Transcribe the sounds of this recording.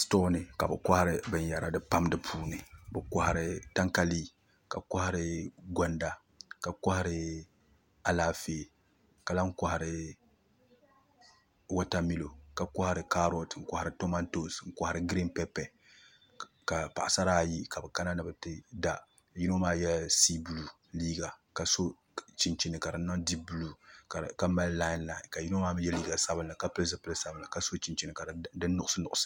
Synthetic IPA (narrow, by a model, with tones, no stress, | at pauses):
stoː˦nɨ˨ka˨bɨ˨kɔ˦ha˦ɾɪ˦bɨ˨ɲ˦ja˨ɾa˨dɨ˦pa˦mdɨ˦pʰuː˦nɨ˨bɨ˨kɔ˦hɾɪ˦ta˦ŋka˦liː˦ | ka˨kɔ˦ha˦ɾɪ˦ɡɔ˦nda˨ | ka˨kɔ˦ha˦ɾɪ˦ | a˨laː˦feː˦˨ | ka˨la˦ŋ̩˦kɔ˨ha˨ɾɪ˦ | wɔ˦ta˦mi˦lo˨ka˨kɔ˦ha˨ɾɨ˨ka˦ɾo˨tŋ̩˦kʷa˦˨ha˨ɾɨ˨˦to˦ma˦nto˦˨sŋ̩˦kʷɔ˦ha˦ɾɨ˦ɡɾi˦mpɛ˦pɛ˨ | ka˨pa˨ʔa˨sa˦ɾaː˦˨ji˦ka˨bɨ˨ka˦na˦nɨ˦bɨ˦tɨ˦da˦ | ji˦no˦maː˦jɛ˦si˦bu˦lu˨ | liː˦ɡa˨ka˨so˦ | t͡ʃi˨nt͡ʃi˨nɨ˨ka˨ɾɨ˨˦nːa˦di˦bu˦lu˦˨ka˦ma˦lla˦ɪ˦nla˨nka˨ji˦no˦maː˦jɛ˦liː˦ɡa˨sa˦bɨ˦nla˨ka˦pɨ˦lɨ˦zɨ˦pɨ˦lɨ˦sa˦bɨ˦nla˨ka˦so˦t͡ʃi˨nt͡ʃi˨nɨ˨ka˨dɨ˦nːʊ˦ʔʊ˦sɨ˦nʊ˨ʔʊ˦sɨ̥˦